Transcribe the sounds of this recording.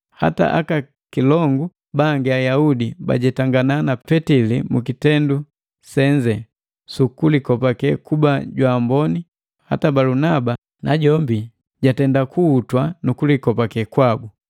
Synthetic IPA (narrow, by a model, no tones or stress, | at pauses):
ha̰ta̰ʔa̰ka | kilɔŋɡu | baŋɡɛajaudiba̰ɟɛtaŋɡananapɛtilimukitɛndu | sɛɲd͡ʒɛ | sukulikɔpakɛkubaɟwambɔni | ha̰tabalunaba | nʔaɟɔmbi | ɟatɛndakuːtwanukulikɔpakɛkwabu